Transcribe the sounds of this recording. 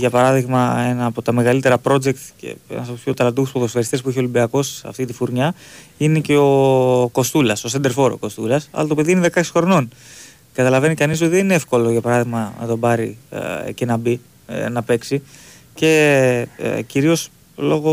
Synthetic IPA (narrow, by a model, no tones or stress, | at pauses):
ʝɐpɐɾɐðiɣmɐe̞nɐːpo̞t̪ɐme̞ɣɐlit̪e̞ɾɐpɾo̞d͡ʒe̞k̚t̪cḛḛnɐspopʰço̞t̪ɐlɐd̪uɣuspoðosfɐɾist̪espuiçeo̞limbiɐko̞sɐ̰ft̪it̪ifuɾɲɐ | ine̞ceoko̞st̪ulɐso̞sɐnd̪e̞ɾfo̞ɾo̰ko̞st̪ulɐsɐ̰lɐt̪o̞pe̞ðiineðe̞kɐçisxo̞ɾno̞n | kɐt̪ɐlɐve̞nikɐnis̬o̞t̪iðenineefko̞lo̞ʝɐpɐɾɐðiɣmɐnɐ̰t̪o̞bɐɾice̞nɐbi | nɐpe̞ksi | ce̞̰ | ciɾio̞s | lo̞ɣo̞